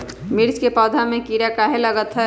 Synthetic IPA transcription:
miɾt͡ʃkepɔːd̪ʱamẽkiɾakaɦeləɡət̪ɦɛ

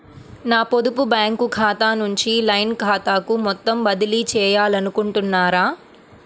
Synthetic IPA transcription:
naːpod̪upubjaːŋkukʰaːt̪aːnuɲt͡ʃilɐjnkʰaːt̪aːkumɔt̪ːɐmbɐd̪iliːt͡ʃɛːjaːlɐnukuɳʈunːaːɾaː

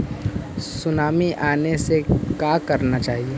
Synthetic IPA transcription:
sʊnaːmiʔaːnesekaːkɐɾnat͡ʃaːɦieː

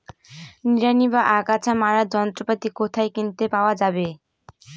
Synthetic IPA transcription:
niɾanibaʔaɡat͡ɕʰamaɾad͡ʑɔnt̪ɾopat̪ikot̪ʰaekint̪epaoad͡ʑabe

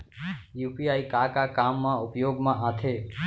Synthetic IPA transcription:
jupiaikakakamːãʊpjoɡmãʔãt̪ʰe

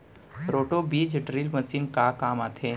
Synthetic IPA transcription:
ɾoːʈobiːd͡ʒɪʈɾiːlmɐsiːnkakaːmaːt̪ʰeː

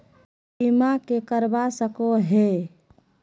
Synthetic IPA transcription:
imakekəɾbasəkoɦe

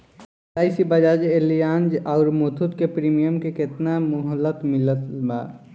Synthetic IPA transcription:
aːisibəd͡ʒaːd͡ʒelijaːnd͡ʒaʊɾmot̪ʰut̪kepɾiːmijəmkekɪt̪namʊɦəlːət̪mɪlət̪ba̰ː

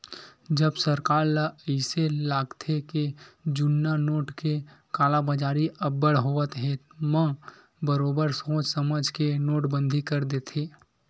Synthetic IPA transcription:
d͡ʒəbsəɾkaːɾlaəɪselaːɡt̪ʰeked͡ʒʊnːanoːʈkekaːlabad͡ʒaːɾiʔɐbːəɽɦoːət̪ɦemə̃ | bəɾoːbəɾsõːt͡ʃsəməd͡ʒʱkenoːʈbə̃nd̪ʱikəɾd̪eːt̪ʰeː

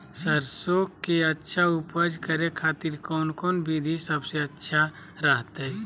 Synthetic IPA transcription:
səɾsoːkkːeətːʃʰaupəd͡ʒkəɾekʰaːt̪iɾkɔːnkɔːnbid̪ʱisəbseɐtːʃʰa | ɾəɦt̪ɦɛ

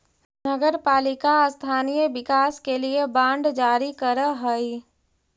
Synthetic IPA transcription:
nəɡəɾpaːlɪkast̪ʰaːnijəʋɪkaːskeliebãːɳɖd͡ʒaːɾikəɾəɦəi

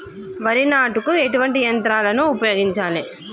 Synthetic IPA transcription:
ʋɐɾinaːʈukueʈuʋɐɳʈijɐnt̪ɾaːlɐnuːpɐjoːɡiɲt͡ʃaːli

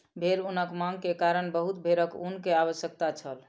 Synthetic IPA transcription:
bʱeɾunəkmãŋɡkekaɾənbəɦut̪̚bʱeɾəkunkeaβəʃjək̚t̪at͡ʃʰəl

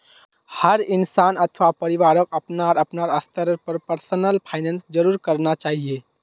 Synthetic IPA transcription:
həɾɪnsaːnət̪ʰʋapəɾɪʋaːɾəkəpnaɾəpnaɾəst̪əɾpəɾpəɾsənəlpʰaːɪnɛ̃nsd͡ʒəɾuːɾkəɾnat͡ʃaːɦie

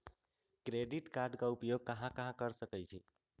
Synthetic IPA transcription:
kɾeɖiʈkaɾɖkaupjoɡ̚kəɦãkəɦãkəɾsəkɛjt͡ʃʰi

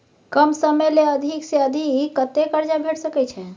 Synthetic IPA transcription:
kəmsəmeleəd̪ʱikseəd̪ʱikːət̪ekəɾd͡ʒabʱeʈʰsəkɛt͡ʃʰɛ

